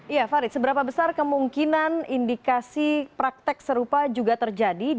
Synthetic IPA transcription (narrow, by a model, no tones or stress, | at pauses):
ijafaɾɪt̪səbəɾapabəsarkəmuŋkinanindikasipɾak̚t̪ɪk̚səɾupad͡ʒuɡat̪ərd͡ʒadi